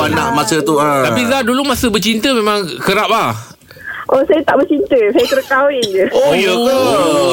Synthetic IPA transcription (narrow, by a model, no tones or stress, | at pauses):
anaʔmasət̪uaatpiladulumasəbət͡ʃint̪əmemãŋkəɾap̚ah | ʔosajət̪aʔbət͡ʃint̪əsajət̪əɾkawɪnd͡ʒəojə